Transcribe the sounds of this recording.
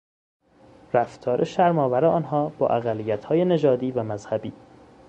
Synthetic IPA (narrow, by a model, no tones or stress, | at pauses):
ɾæft̪ʰɒːɾʔeʃæɾmɒːvæɾeɒːnɦɒːb̥ɒ̰ːʔæɣælːijæt̪hɒːjene̞d͡ʒɒːd̪iːvæmæzhæbiː